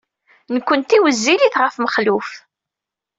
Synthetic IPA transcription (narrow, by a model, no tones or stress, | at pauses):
nəkʷːənt̪iwəzːiliθʁəfməχluf